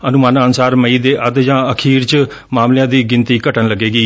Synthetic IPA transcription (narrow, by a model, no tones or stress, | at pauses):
ənʊmaːnaːənsaːɾməiːd̪eːʔəd̪d͡ʒãːəkʰiːɾt͡ʃ | maːmljãːd̪iːɡɪnt̪iːkəʈənləɡːeːɡiː